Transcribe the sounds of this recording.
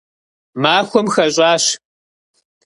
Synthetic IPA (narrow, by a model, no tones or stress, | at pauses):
maːxʷɔmxɐɕʼaːɕ